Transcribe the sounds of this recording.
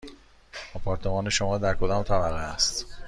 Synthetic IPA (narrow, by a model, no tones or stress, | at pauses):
ɒpʰɒɾt̪ʰe̞mɒːne̞ʃo̞mɒːd̪æɾkʰo̞d̪ɒːmt̪ʰæbæɣeæst̪